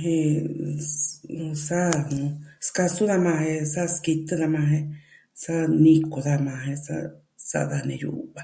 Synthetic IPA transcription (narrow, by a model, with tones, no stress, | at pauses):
ɦẽ˧ | sa˦nũ˧ska˧su˦ða˧mã˧hẽ˧sa˦ski˧t̪ɨ˦ða˧mã˧ɦẽ˦ | sa˦nĩ˧ko˨˧ða˧mã˧ɦẽ˧sa̰˦ | sa̰˦˧ða˧nḛ̃˧jṵ˧βa˧